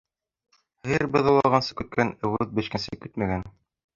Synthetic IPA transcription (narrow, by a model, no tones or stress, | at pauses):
hɘɾbɤ̆ðɤ̆lˠɑʁɑnsɤ̥kʉt̪̚kʰænɘ̆wɘðbɘ̆ɕkænsɘkʉt̪mæɡæn